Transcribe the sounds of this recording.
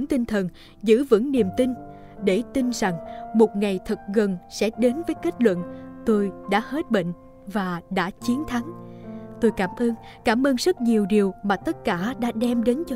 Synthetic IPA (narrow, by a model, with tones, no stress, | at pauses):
ŋt̪i˧ŋt̪ʰə˨˩n | zɨ̰˧˥və̰˧˥ŋni˨˩əmt̪ï˧n | ɗe˧˩t̪i˧nza˨˩ŋmo˨˩t̚ŋa˨˩jt̪ʰə˨˩k̚ɣə˨˩nsɛ̰˧˥ɗe˨˦nvəː˨˦jke˦˥t̚lwə̰˧˨nt̪o˧jɗa̰ː˧˥he˦˥t̚ɓḛ˧˨ŋ̟ | vaː˨˩ɗa̰ː˧˥t͡ɕi˨˦ənt̪ʰa˨˦ŋt̪o˧jkaː˧˩mʔəː˧nkaː˧˩mʔəː˧nzə˦˥t̚ɲi˨˩əwɗi˨˩əwmaː˨˩t̪ə˦˥t̚kaː˧˩ɗa̰ː˧˥ɗɛ˧mɗe˨˦nt͡ɕ